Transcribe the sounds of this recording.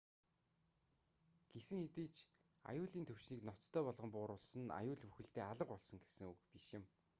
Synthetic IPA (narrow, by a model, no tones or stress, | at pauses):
ɡ̥esɘ̆ŋxet̪iːt͡ɕʰ | a̰jʊːɮiːnt̪ʰɵwʃniːknɔt͡st̪ʰːœːpɔɮʁɞ̆mpʊːɾʊːɮsə̆na̰jʊːɮpu̥xɘ̆ɬt̪eːaɮə̆qɔɮsɞ̆ŋɡesɘ̆ŋɵkpiʃɪ̆m